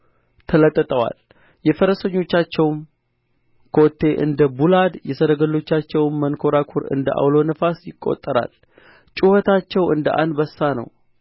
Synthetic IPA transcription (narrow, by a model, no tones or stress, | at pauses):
t̪ʰələt̪ʼːət̪ʼəwa̰l | jɛfəɾəsəɲːo̞t͡ʃːat͡ʃːɛwm | kʰot̪ʰːe̞ʔɨ̰nd̪əbulad̪jɛsəɾəɡəlːo̞t͡ʃːat͡ʃːɛwmːənkʰo̞ɾakʰuɾɨ̰nd̪əʔa̰wlo̞nɨfasjɪkʼːo̞̰t̪ʼːəɾa̰l | t͡ʃʼuhət̪ʰat͡ʃːɛwɨnd̪əʔa̰nbəsːanə̰w